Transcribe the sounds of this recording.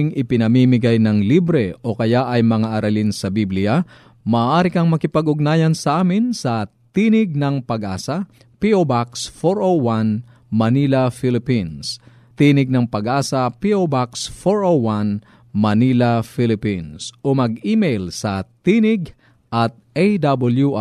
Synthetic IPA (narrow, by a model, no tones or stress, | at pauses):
ŋʔɪpɪnɐmimɪɡajnɐŋlibɾɛʔo̞kɐjaʔɐjmɐŋaʔɐɾɐlinsɐbiblɪja | mɐːʔaːɾɪkɐŋmɐkɪpɐɡʔʊɡ̚naːjɐnsɐʔaːmɪnsɐ | t̪iːnɪɡ̚nɐŋpɐɡʔaːsɐ | piʔobaksfoɾʔoan | mɐniːlɐfɪlɪpins | t̪iːnɪɡ̚nɐŋpɐɡʔaːsɐpiʔobaksfoɹwan | mɐnilɐfilɪpinsʔomɐɡiːmejlsɐt̪iːnɪɡ | ʔɐt̪̚ʔejd̪abɐljuʔa